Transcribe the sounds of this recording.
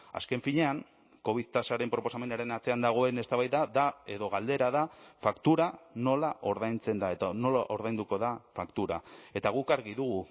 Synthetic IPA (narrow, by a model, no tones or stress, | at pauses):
a̰ske̞ɱfiɲe̞aŋ | ko̞β̞iðt̪asaɾe̞mpɾo̞po̞same̞naɾe̞nat͡se̞and̪aɣ̞o̞e̞ne̞st̪aβajðaðae̞ðo̞ɣald̪e̞ɾaðafakt̪uɾano̞laʔo̞ɾðajnt͡se̞nd̪ae̞t̪ano̞laʔo̞ɾðajnd̪uko̞ðafakt̪uɾae̞t̪aɣ̞ukaɾɣiðuɣu